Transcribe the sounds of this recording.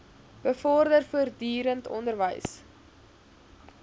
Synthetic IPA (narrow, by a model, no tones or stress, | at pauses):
b̥əfɔrdərfuərdyːɾəntɔ̰ndərvə̰js